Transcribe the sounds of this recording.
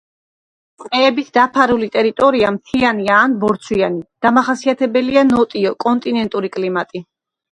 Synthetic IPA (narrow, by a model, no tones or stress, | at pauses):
sʼqʼɛːbit̪ʰd̪apʰaɾulit̪ʼɛɾit̪ʼɔɾiamt̪ʰianiaːnbɔɾt̪sʰwiianid̪̥amaχasiat̪ʰɛbɛlianɔt̪ʼiɔkʼɔnt̪ʼinɛnt̪ʼuɾikʼlimat̪ʼi